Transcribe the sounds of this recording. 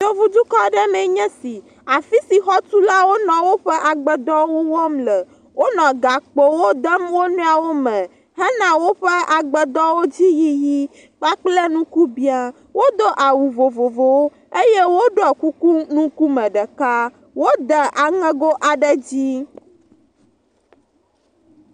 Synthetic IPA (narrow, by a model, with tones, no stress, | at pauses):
jo˦vu˦d͡ʒu˦kɔ˦ɖɛ˦mɛ̃˨ɲɛ̃˦si˨ | a˨fi˦si˨xɔ˦t̪u˦la˦wo˦nɔ̃˨wo˦ɸɛ˦ʔa˨ɡ͡bɛ˨d̪ɔ˦wo˦wɔ˦mlɛ˨ | wo˦nɔ̃˨ɡa˨k͡po˨wo˦d̪ɛ˦mwo˦nũ˦a˨wo˦mɛ̃˨ | ɦɛ˦nã˨wo˦ɸɛ˦a˨ɡ͡bɛ˨d̪ɔ̃˦wo˦d͡ʑi˦ji˦ji˦ | k͡pa˦k͡plɛ˦nũ˦ku˦bi˦a˨ | wo˦d̪o˦ʔa˨wu˨vo˨vo˨vo˨w | e˦jɛ˦wo˦ɖɔ˦˨ku˦ku˦nũ˦ku˦mɛ̃˨ɖɛ˨ka˦ | wo˦d̪ə˨ʔa˨ŋɛ̃˦ɡo˦ʔa˨ɖɛ˦d͡ʑi˦